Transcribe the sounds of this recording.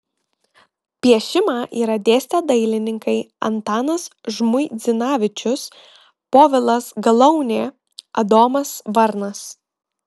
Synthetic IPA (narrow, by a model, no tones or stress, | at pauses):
pʲiɛʃʲɪmɑːʔiːɾɐd̪ʲeːsʲt̪ʲeːd̪ɐɪlʲɪnʲɪŋkɐɪɐ̰nt̪ɑːnɐsʒmʊɪd̪zʲɪnɑːʋʲɪt͡ʃʲʊs | poːʋʲɪlˠɐsɡɐlˠɐʊnʲeː | ɐd̪oːmɐsʋɐɾnɐs